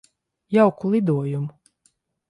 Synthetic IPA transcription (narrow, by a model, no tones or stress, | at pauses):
jawkulˠid̪uɔjumu